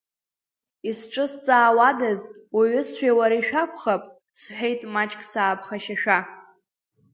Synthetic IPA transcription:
isʈ͡ʂʼɨst͡sʼaːwadazwaɥʏsʃʷᶣejwaɾaiʃᶣakʷʰʼχapʼ | sħʷᶣejtʼmat͡ʃʼkʼsaːpʰχaʃaʃᶣa

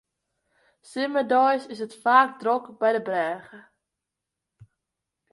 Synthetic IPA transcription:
sɪmədɔjsɪs̬ətfaːk̚drokbɛjdəbrɛːɣə

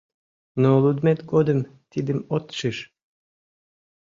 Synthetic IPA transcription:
nolˠud̪met̪ɡod̪əm | t̪id̪ɘmot̪ʃɨʃ

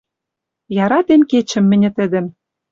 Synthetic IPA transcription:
jɑɾɑt̪emket͡ɕɘ̆mːɘ̆nʲɘ̆t̪ɘ̆d̪ɘ̆m

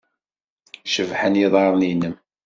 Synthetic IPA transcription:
ʃəvħənjiðˤɑɾˤninəm

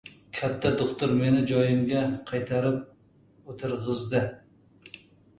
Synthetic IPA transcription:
kʲʰat̪ʰːad̪oχt̪ʊɾme̞nɪd͡ʒɒjɪmɡʲaqʰɑjt̪ʰaɾɪp̚ | ot̪ʰɪɾʁɨzd̪ɪ

